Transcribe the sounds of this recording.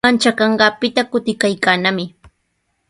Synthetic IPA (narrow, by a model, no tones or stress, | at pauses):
ant͡ʃakɑɴɢɑːpɪt̪akʊt̪ɪkajkaːnamɪ